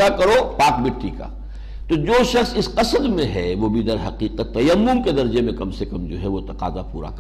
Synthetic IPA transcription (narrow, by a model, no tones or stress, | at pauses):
akɐɾoːpaːk̚bɪʈːika̰ | t̪od͡ʒoːʃɐxsɪsqɐsəd̪mẽɦɛʋoːbʱid̪ɐɾɦɐqiːqət̪ːɐjɐmːʊmked̪ɐɾd͡ʒemẽkɐmsekɐmd͡ʒo̰ːɦɛʋot̪ɐqa̰ːzapuːɾa̰k